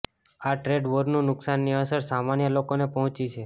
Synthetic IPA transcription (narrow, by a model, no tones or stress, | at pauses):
aʈɾeɖʋəɾnũnʊksanːiəsəɾsamanjəlokonepəɦɔ̃t͡ʃit͡ʃʰe